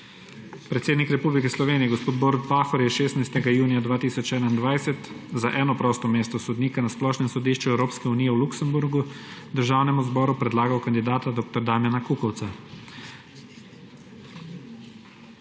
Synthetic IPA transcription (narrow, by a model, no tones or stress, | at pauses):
pɾɛt̪seːd̪nikɾɛpublikɛslɔʋeːniɛɡospoːt̪boɾt̪̚paːxɔɾjɛʃeːsnajst̪ɛɡajuːnijad̪ʋaːt̪iːsɔt͡ʃɛːnaind̪ʋajsɛt̪zaʔɛːnɔpɾɔst̪ɔmeːst̪ɔsɔd̪niːkanasplɔːʃnɛmsɔd̪iːʃt͡ʃuɛwɾoːpskɛuniːjɛwluksɛmbuɾɡud̪əɾʒaːwnɛmuzbɔːɾupɾɛd̪laːɡawkand̪id̪aːt̪ad̪ɔːk̚t̪ɔɾd̪aːmjanakuːkɔwt̪sa